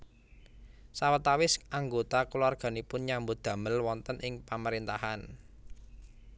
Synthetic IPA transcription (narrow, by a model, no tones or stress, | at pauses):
sawət̪awɪsaŋɡot̪aklwarɡ̥a̤nipʊnɲambod̪̥ä̤məlwɔnt̪ənɪŋpaməɾint̪aɦan